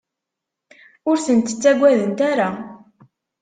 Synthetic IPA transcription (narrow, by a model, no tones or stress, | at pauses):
ʊɾθənt̪ə̥t͡sːæɡʷːæðənt̪aɾa